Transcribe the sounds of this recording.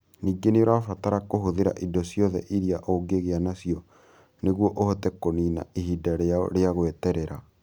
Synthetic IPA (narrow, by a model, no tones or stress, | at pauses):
niːɡeneoɾaːfataɾakoɦoðeɾa̰ʔidɔsjɔðɛ̰ʔiɾiaʔoːɡeɣeanasiɔ | neɣwɔʔohɔtɛkonina̰ehiːdaɾea̰ɾeaɣowɛtɛɾɛɾa